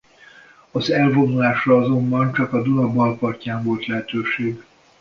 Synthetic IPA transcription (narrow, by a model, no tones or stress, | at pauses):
ɒzɛlvo̞nːulaːʃrɒɒzo̞mbɒnt͡ʃɒkɒd̪unɒbɒlpɒrcaːɱvo̞lt̪lɛɦɛt̪øːʃeːɡ